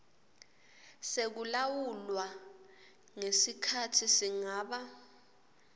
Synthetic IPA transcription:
sek̬ulawulwa | ŋesikʰatʰisiŋaːɓa

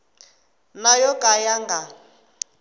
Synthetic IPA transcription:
najɔkʼajaŋɡa

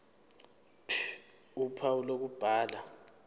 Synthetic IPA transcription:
pʰ | upʰaulok̬ub̥ʱaːla

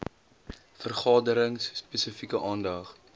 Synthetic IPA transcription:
fərχɑːdəɾəŋsspɛsəfikəʔɑːndɐχ

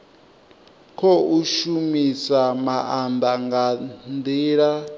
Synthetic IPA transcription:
kʰɔuʃumisamaʔand̪aŋɡand̪iːɺa

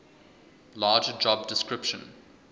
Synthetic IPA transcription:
laːd͡ʒəd͡ʒɔb̚dɪskɹɪpʃə̰̃n

